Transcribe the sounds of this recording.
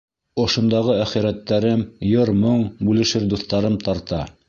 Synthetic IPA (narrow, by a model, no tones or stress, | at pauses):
ŏʃŏnd̪ɑʁɤæχiɾæt̪ːæɾɘmjɤɾmoɴbʉlɘ̆ʃɘɾd̪uθt̪ɑɾɤmt̪ɑɾt̪ɑ